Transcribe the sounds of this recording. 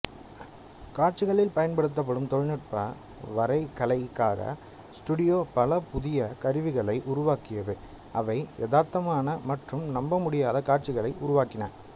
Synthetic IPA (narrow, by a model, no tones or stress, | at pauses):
kaːʈ̚t͡ʃɪɣɐɭɪlpɐjɐnpɐɽɯt̪̬ːɐp̬ːɐɽɯmt̪ɔɻnɯʈ̚pɐ | ʋɐɾɐɪkːɐɭɐɪkːaːɣɐ̰ | sʈuɽɪjoːpɐlɐpʊðɪjɐkɐɾɯʋɪɣɐɭɐɪʔʊɾʊʋaːkɪjɐðɯ | ɐʋɐɪjɛðaːɾt̪ɐmaːnɐmɐʈrɯmnɐmbɐmʊɽɪjaːðɐkaːʈ̚t͡ʃɪɣɐɭɐɪʔʊɾʊʋaːkɪna̰ːɾ